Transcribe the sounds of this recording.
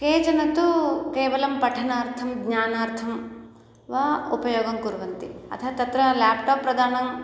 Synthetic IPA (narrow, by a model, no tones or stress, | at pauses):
keːt͡ʃɐnɐt̪ukeːʋɐlɐmpɐʈʰɐnaːɾt̪ʰɐmɡɲaːnaːɾt̪ʰɐm | ʋɐːupɐjoːɡɐmkuɾʋɐnt̪iɐ̰t̪ʰɐt̪ɐt̪ɾɐlaːpʈaːpːɾɐd̪aːnɐm